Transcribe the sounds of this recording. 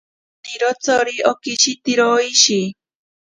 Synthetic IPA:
t̪iɾot͡soɾiokiʃit̪iɾoiʃi

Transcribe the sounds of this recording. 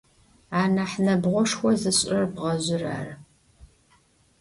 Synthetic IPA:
aːnaħnɐbʁʷɔʂxʷɔzɨɕʼrɐrbʁɐʑʊra̰ːr

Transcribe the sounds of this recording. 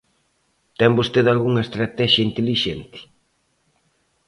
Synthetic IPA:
t̪ɛmbost̪eðalɣuŋɐest̪ɾat̪ɛʃjɐint̪eliʃent̪ɪ̥

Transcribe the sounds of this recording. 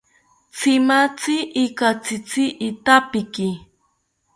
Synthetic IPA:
t͡sɪmat͡sɪʔːkat͡sit͡siʔit̪apɪki

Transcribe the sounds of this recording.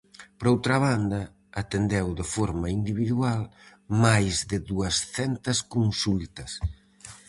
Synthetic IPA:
pɾowt̪ɾɐβand̪ɐː | t̪end̪ɛwðɪfɔɾmɐind̪iβiðual | majzðɪðuɐsθɛnt̪ɐskunsult̪ɐs

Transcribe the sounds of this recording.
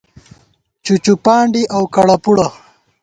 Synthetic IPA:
t͡ʃut͡ʃupaːɳɖiʔawkaɽapuɽa

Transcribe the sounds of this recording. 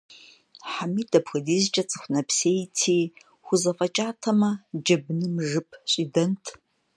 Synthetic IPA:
ħamidɐpʰxɐdiːzt͡ʃʼɐt͡sʼɨxʷnɐpʰsejtʰiː | χʷʊzɐfʼɐt͡ʃʼaːtʰɐmɐd͡ʒɐbnɨmʐɨpʰɕʷʼidɐntʰ

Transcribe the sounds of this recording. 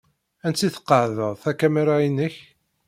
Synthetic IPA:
ænt͡s̪ːiθə̥qːəʕðəʁˤθækæmæɾainəç

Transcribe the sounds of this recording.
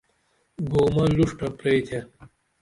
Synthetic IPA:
ɡoːmɐluʂʈɐpɾeːt̪ʰe

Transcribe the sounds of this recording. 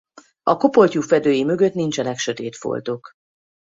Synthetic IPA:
ɒko̞po̞lcufɛd̪øːjimø̞ɡø̞t̪nint͡ʃɛnɛkʃø̞t̪eːt̪fo̰lt̪ok

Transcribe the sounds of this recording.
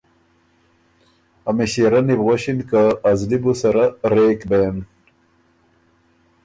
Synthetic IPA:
amiɕiɾanibʁoɕinkaːzlibusɐɾaɾekben

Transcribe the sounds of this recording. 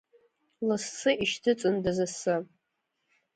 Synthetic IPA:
lɨst͡sʰɨʔiʃtʰɨt͡sʼɨndazɨsɨ

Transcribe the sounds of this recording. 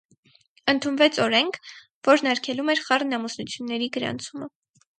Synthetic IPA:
ənt̪ʰunvɛt͡sʰɔɾɛŋkʰ | vɔɾnɑɾkʰɛlumɛɾχɑrnɑmusnut͡sʰjunːɛɾiɡəɾɑ̰nt͡sʰumə

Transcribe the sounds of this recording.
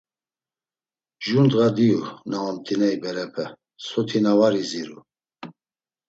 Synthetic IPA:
ʒund̪ɣad̪iunaɔmt̪ʰʼinɛibɛɾɛpʰɛ | sɔt̪ʰinavaɾiziɾu

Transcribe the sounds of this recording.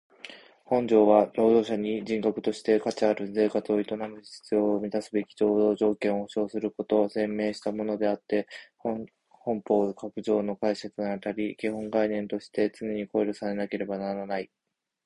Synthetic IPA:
hõ̞ɲ̟d͡ʑo̞ːβaɾo̞ːd̪o̞ːɕaɲ̟id͡ʑĩŋkakɯ̟̥t̪o̞ɕi̥t̪e̞kat͡ɕiaɾɯ̟ze̞ːkat͡sɨo̞it̪o̞namɯ̟i̥ɕt͡sɨoːmʲid̪asɨbe̞kʲi̥d͡ʑo̞ːʑo̞ːkẽ̞ɰ̃ohoɕo̞ːsɨɾɯ̟ko̞t̪o̞ːse̞mːe̞ːɕi̥t̪amo̞no̞d̪e̞at̪ːe̞h | hõ̞mpo̞ːkakɯ̟ʑo̞ːno̞kaise̞t͡sɨnat̪aɾʲikʲiɦõ̞ŋɡainẽ̞nt̪o̞ɕi̥t̪e̞t͡sɨneɲ̟iko̞iɾʲo̞saɾe̞nake̞ɾe̞banaɾanai

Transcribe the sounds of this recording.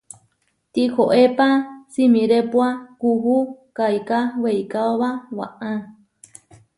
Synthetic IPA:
t̪ikoʔepasimĩɾepwakuɦukajkaweikaoβawaʔã

